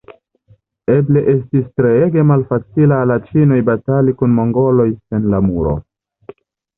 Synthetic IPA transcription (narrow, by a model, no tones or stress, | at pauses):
e̞ble̞ʔe̞stistɾeeɡe̞malfat͡silalat͡ʃino̞jbatalikunmo̞ŋɡo̞lo̞jse̞nlamuɾo̞̰